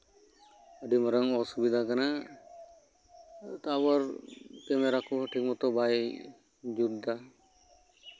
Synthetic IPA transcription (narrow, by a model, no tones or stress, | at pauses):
aɖimɔɾaŋɔsubid̪ʱakana | t̪abɔɾkɛmɛɾakɔʈʰik̚mɔt̪ɔbaj | d͡ʒud̪a